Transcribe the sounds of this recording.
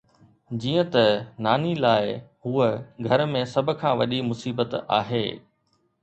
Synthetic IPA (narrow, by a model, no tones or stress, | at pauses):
d͡ʑiːə̃t̪ɐnaːnilaːɪhuːəɡʱɐɾmẽsɐbʱʊ̆kʰãːʋɐɗimʊsiːbət̪a̰ːɦḛː